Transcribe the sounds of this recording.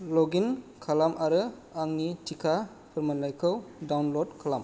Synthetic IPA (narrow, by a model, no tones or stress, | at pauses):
lɔɡinkʰalamʔaɾɯ | aŋnitʰikʰa | pʰɯɾmanlajkʰɯwdawnlɔdkʰalam